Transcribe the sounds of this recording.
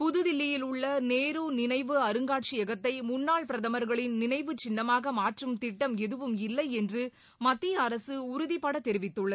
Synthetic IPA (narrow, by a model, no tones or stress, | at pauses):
pʊðɯðɪlːɪjɪlʊɭːɐneːɾuːnɪnɐɪʋɯɐɾɯŋɡaːʈ̚t͡ʃɪɛɣɐt̪ːɐɪmʊnːaːɭpɪɾɐðɐmɐɾɣɐɭɪnnɪnɐɪʋɯt͡ʃɪnːɐmaːɣɐmaːʈrɯmt̪ɪʈːɐmɛðɯʋɯmɪlːɐɪɛndrɯ | mɐt̪ːɪjɐɐɾɐsɯʊɾʊðɪpːaɽɐt̪ːɛɾɪʋɪt̪ːɯɭːɐð